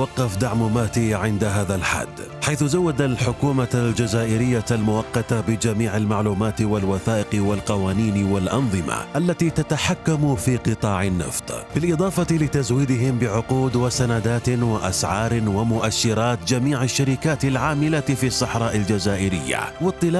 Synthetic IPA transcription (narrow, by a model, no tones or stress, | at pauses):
wɑqːɑfd̪aʕmʊmaːt̪iʕɪnd̪aɦaːðalħa̰d̪ː | ħajθʊzawːad̪alħʊkuːmaald͡ʒazaːʔɪɾɪjːaalmʊwɑqːɑt̪abɪd͡ʒamiːʕalmaʕluːmaːt̪walwaθaːʔɪqwalqɑwaːniːnwalʔɑ̰nðˤɨma̰ʔalːat̪iːt̪at̪aħakːamfiːqɨt̪ˤɑːʕɪnːɑ̰ft̪ˤbɪlʔɪd̪ˤɑːfɑt̪lɪt̪azwiːd̪ɪɦɪmbɪʕʊquːd̪wɪsanad̪aːt̪waʔasʕɑːɾwamʊʔaʃːɪɾɑːt̪d͡ʒamiːʕaʃːaɾɪkaːt̪alʕaːmɪlafiːsˤːɑħɾˤɑːʔɪld͡ʒazaːʔɪɾɪ̰jːa̰wɪt̪ˤːɨla